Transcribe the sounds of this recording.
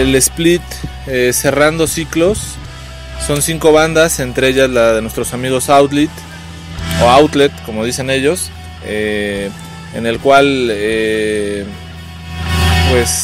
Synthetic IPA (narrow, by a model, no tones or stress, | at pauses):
ele̞split̪ | ese̞rand̪o̞siklo̞sː | o̞nsiŋko̞β̞and̪ase̞nt̪ɾeeʝazlaðe̞nwest̪ɾo̞samiɣo̞sawt̪lit̪ | o̞awt̪let̪ko̞mo̞ð̞ise̞ne̞ʝo̞s | e | ḛne̞lkwale | pwe̞s